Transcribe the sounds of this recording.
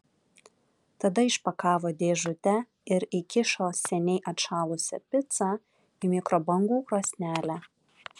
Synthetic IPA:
t̪ɐd̪ɐɪʃpɐkɑːʋoːd̪ʲeːʒʊt̪ʲɛ | ɪɾɪkʲɪʃoːsʲɛnʲɛɪʔɐt̪ʃɑːlˠʊsʲɛ̰pʲɪt̪sɑ | ɪmʲɪkɾɔbɐŋɡuːkɾoːsʲnʲæːlʲæ

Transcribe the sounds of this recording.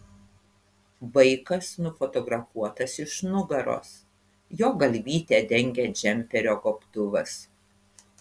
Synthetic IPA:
ʋɐɪkɐsnʊfɔt̪ɔɡɾɐfuɔt̪ɐsɪʃnʊɡɐɾo̰ːs | joːɡɐlʲʋʲiːt̪ʲeːd̪ʲɛŋʲɡʲɛd͡ʒʲɛmʲpʲɛɾʲoːɡɔpt̪ʊʋɐs

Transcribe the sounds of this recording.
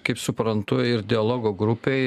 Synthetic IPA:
kɐɪpsʊpɾɐnt̪ʊɪɾd̪ʲɪɐlˠoːɡoːɡɾʊpʲeː

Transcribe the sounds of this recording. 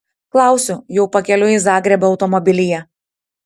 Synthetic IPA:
klˠɑˑʊsʲʊjɛʊpɐkʲɛlʲʊɪzɑːɡɾʲɛbɐːʊt̪ɔmɔbʲɪlʲɪjɛ

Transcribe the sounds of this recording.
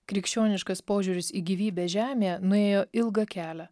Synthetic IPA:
kɾʲɪkʃʲt͡ʃʲoːnʲɪʃkɐspoːʒʲuːɾʲɪsiːɡʲiʋʲiːbʲeːʒʲæːmʲeːjɛnʊeːjoːʔɪlˠɡɐkʲæːlʲæ

